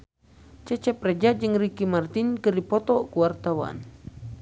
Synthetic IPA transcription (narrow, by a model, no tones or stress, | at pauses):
t͡ʃɛt͡ʃɛpɾɛd͡ʒad͡ʒɨŋrikimart̪inkɨrdipɔt̪ɔkuwart̪awa̰n